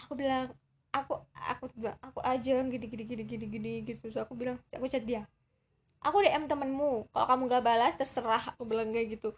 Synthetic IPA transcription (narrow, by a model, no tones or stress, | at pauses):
akubilaŋ | akua̰kubaakuʔad͡ʒaŋɡiniɡiniɡiniɡiniɡiniɡit̪usakubilaŋakut͡ʃat̪̚dia | ʔakudaʔɛmt̪əmənmukalo̰kamuŋɡabalast̪ərsəɾahakubəlaŋɡaɡit̪u